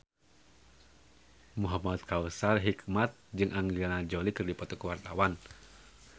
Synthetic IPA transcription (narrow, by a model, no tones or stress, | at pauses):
muɦamat̪̚kausarɦikmat̪̚d͡ʒɨŋʔaŋianad͡ʒɔlikɨrdipɔt̪ɔkəwart̪awan